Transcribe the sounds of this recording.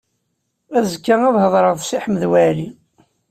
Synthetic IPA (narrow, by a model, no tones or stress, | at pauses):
æzəkːaæðhəðˤɾˤəðˤsiħəmðwæli